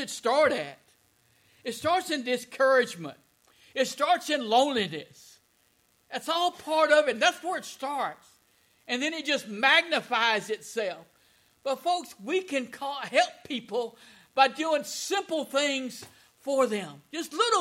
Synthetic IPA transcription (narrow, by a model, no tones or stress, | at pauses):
ɨtstɑɹɾɨɾ̚ | ɨtstɑɹtsɨ̃ndɨskʰɜ˞ɨd͡ʒmə̰̃nt̚ | ɨtstɑɹtsɨ̃nlõʊ̃nlinɨs | ɨtsɔlˠpʰɑɹɾʌvɨ̃nðætswə˞ɨtstɑɹts | ɨ̃nðɨ̃ñɨt̚d̥ʒ̥ʌst̚mæɡ̚nɨfaɪzɨtsɛlˠf | b̥ʌtfoʊkswikɨ̃nkʰɔhɛlˠpʰipl̩ˠ | b̥aɪdʉɪ̃ŋsɪ̃mpl̩ˠθɪ̃ŋz̥ | fə˞ðɨ̃md͡ʒʌstˡlɪɾ̩ˠ